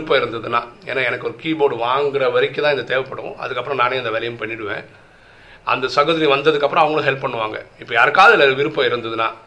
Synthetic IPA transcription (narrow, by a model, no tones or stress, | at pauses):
pːɐ̃ɪɾɯnd̪ɐðɯna̰ːḛːnːaːɛnɐkːɯɔɾɯkiːboːɽɯʋaːŋɡɪɾɐʋɐɾɪkːɯt̪ãːɪnd̪ɐt̪eːʋɐpːɐɽɯõ̰ʔɐ̰ðɯkːɐpːɯɾɔ̃naːneːɪnd̪ɐʋɛːlɐjɐmpɐɳːɪɽɯʋḛ̃ː | ʔɐ̰nd̪ɐsɐɣɐðɪliʋɐnd̪ɐðɯkːɐpːɯɾɔ̃ɐʋɐŋɡɐɭʊ̃ɦɛlpːpɐɳːɯʋaːŋɡɐ̰ɪpːɐjaːɾɯkːaːɐðɐɪlɐʋɪɾɯpːɐɪɾɯnd̪ɐðɯnã̰ː